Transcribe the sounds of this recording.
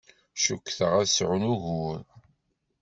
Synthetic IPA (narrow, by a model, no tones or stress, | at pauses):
ʃukːθəʁæðsʕunuʝʊɾ